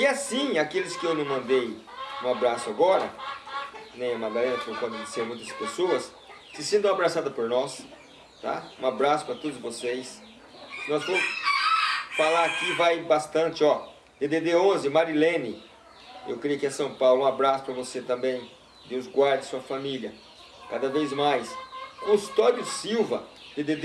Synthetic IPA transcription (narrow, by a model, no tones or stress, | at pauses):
ɪasĩakelɪskɪewnɐ̃w̃mɐ̃nd̪ejũabɾasʊaɡɔɾɐ | nẽj̃maɡ̪alẽnɐfokɐ̃d̪ʊd͡ʒiseɾmũj̃t̪ɐspesoɐs | sɪsẽnd̪ɐ̃w̃abɾasad̪ʊɐpoɾnɔs | t̪a̰ũabɾasʊ̥pɾɐt̪od̪ʊzvosejs | sɪnɔsfõmʊ | falaɾakivajbast̪ɐ̃nt͡ʃɪɔ | d̪̥ed̪ed̪eõzɪmaɾilẽnɪ | ḛwkɾiɐkɪɛsɐ̃w̃pawlʊũabɾasʊ̥pɾɐvoset̪ɐ̃mbẽj̃ | d̪ewzɡwaɾd̪ɪsuɐfamiljɐ | kad̪ɐvejzmajskõst̪ɔd͡ʒʊsiwvɐd̪̥ed̪ed̪